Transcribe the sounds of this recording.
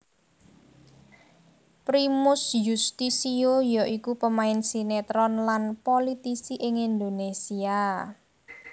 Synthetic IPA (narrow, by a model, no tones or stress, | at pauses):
pɾimʊsjust̪isiojɔʔikupəmaɪnsinet̪ɾɔnlanpolit̪isiʔɪŋind̪onesia